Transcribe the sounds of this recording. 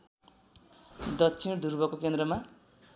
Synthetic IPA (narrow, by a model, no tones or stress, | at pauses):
d̪ʌt͡sʰind̪ʱurbʌkokend̪rʌma